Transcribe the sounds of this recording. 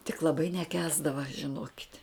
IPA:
tʲɪk lˠɐˈbɐɪ nʲɛˈkʲæːzdɐʋɐ ʒʲɪˈnoːkʲɪtʲ

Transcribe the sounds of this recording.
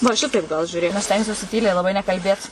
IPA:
ʋɐ ˈʃʲɪtɐɪp ɡɐlˠ ʒʲʊˈrʲeːk nʊ ˈɐʃ ˈsʲtʲɛŋksʲuɔsʲɪ ˈtʲiːlʲɛɪ lˠɐˈbɐɪ nʲɛkɐlʲˈbʲeːt

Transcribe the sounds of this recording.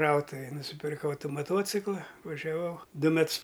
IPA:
ˈkrɐʊtʊʋʲeːj nʊsʲɪpʲɪrˈkɐʊ ˈtuː mɐˈtuɔt͡sʲɪklˠɐ ʋɐʒʲɛˈʋɐʊ ˈdʊ ˈmʲɛts

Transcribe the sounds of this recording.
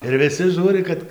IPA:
ɪr ʋʲɪˈsʲɪ ˈʒuːrʲɪ kɐt

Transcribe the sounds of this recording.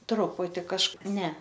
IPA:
ˈtrʊpʊtʲɪ kɐʃˈkɐɪp nʲɛ

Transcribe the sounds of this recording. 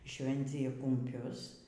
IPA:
ˈʃʲʋʲɛnʲt͡sʲɪjɛ kʊmʲˈpʲʊs

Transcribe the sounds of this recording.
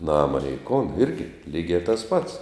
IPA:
ˈnɑːmɐ nʲɛɪ koːn ˈɪrʲɡʲɪ ˈlʲiːɡʲɛ tɐs pɐts

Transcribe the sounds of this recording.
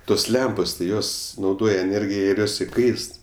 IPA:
ˈtoːs ˈlʲɛmpoːs tʲɪ ˈjoːs nɐʊˈdoːjɛ ɛˈnʲeːrʲɡʲɪjɛ ɪr ˈjoːs ɪˈkɐɪst

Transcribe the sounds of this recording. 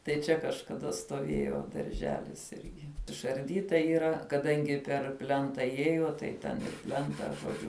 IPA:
tɐɪ ˈt͡ʃʲɛ kɐʃkɐˈdɐ stoːˈʋʲeːjoː dɐrʲˈʒʲæːlʲɪs ˈɪrʲɡʲɪ ɪʃɐrʲˈdʲiːtɐ iːˈrɐ kɐˈdɐŋʲɡʲɪ pʲɛr ˈpʲlʲɛntɐ ˈjiɛjoː tɐɪ ˈtʲɛn ˈpʲlʲɛntɐ ʒoːˈd͡ʒʲʊ

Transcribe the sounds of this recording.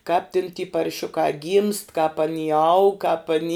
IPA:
kɑːp tʲɪn tʲiː pɐrʲˈʃʲʊkɐ ɡʲiːmst kɑːp ɐˈnʲiː ɐʊk kɑːp ɐˈnʲiː

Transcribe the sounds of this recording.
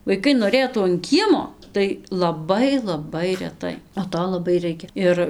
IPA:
ʋɐɪˈkɐɪ noːˈrʲeːtuː ɐn ˈkʲiɛmoː tɐɪ lˠɐˈbɐɪ lˠɐˈbɐɪ rʲɛˈtɐɪ oː ˈtoː lˠɐˈbɐɪ ˈrɐɪkʲɛ ˈɪr

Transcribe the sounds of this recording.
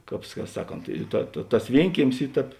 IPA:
ˈkɑːp ˈsɑːˌkoːnt ˈtɐ tɐ tɐs ˈʋʲiɛŋʲkʲiɛmʲɪs ˈiː ˈtʲɛːp

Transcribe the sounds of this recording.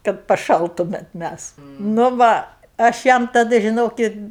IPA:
kɐt pɐˈʃɐlˠtʊmʲɛt ˈmʲæs nʊ ˈʋɐ ɐʃ ˈjɛm tɐˈdɐ ʒʲɪˈnoːkʲɪt

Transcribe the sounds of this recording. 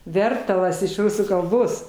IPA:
ˈʋʲɛrtɐlˠɐs ɪʃ ˈrʊsuː kɐlˠˈboːs

